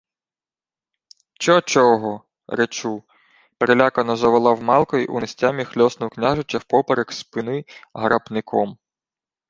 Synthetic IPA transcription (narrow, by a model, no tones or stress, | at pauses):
t͡ʃɔt͡ʃɔɦɔ | ɾet͡ʃu | peɾelʲakɐnɔzɐʋɐlˠɑwmɑlˠkɔiʔṵnɪsʲtʲamʲixlʲɔsnɔwknʲaʒʊt͡ʃɐwpɔpɐɾekspɪnɪɦɾɐpnɪkʰɔm